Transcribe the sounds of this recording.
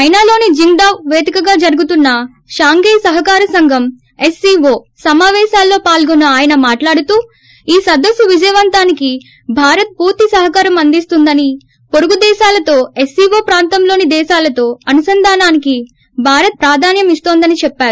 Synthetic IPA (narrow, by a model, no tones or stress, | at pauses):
ɐjnaːlo̞ːnid͡ʒiŋɡɖaːwʋeːd̪ʱikɐɡaːd͡ʒɐɾuɡut̪unːɐ | ʃaːŋɡeːjsɐɦɐkaːɾɐsɐŋɡʱɐm | esiːʋo̞ː | sɐmaːʋɛːʃaːlːo̞ːpaːlɡɔnːɐaːjɐnɐmaːʈlaːɽut̪uː | iːsɐd̪ɐsːuʋid͡ʒɐjɐʋɐnt̪aːniki | bʱaːɾɐt̪̚puːɾt̪isɐɦɐkaːɾɐmɐnd̪ist̪und̪ɐni | poɾuɡud̪ɛːʃaːlɐt̪o̞ːesiːʋoːpɾaːnt̪ɐmlo̞ːnid̪ɛːʃaːlɐt̪o̞ːɐnusɐnd̪ʱaːnaːniki | bʱaːɾɐt̪̚pɾaːd̪ʱaːnjɐmist̪oːnd̪ɐnit͡ʃɛpːaːɾu